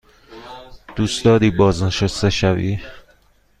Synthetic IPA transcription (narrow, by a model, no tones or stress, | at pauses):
d̪̥usd̪ɒːd̪iːbɒːzneʃæst̪eʃævḭː